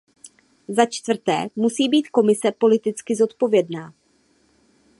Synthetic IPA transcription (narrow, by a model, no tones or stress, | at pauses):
zat͡ʃt̪vr̩t̪ɛ̰ːmusiːbiːt̪ko̞mɪsɛpo̞lɪt̪ɪt͡skɪzo̞t̪po̞vjɛdnaː